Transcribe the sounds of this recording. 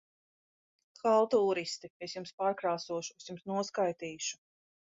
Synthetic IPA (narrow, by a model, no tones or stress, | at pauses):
xalˠt̪ɔuːɾist̪iesjumspaːɾkɾaːsuɔʃusjumsnuɔskajt̪iːʃu̥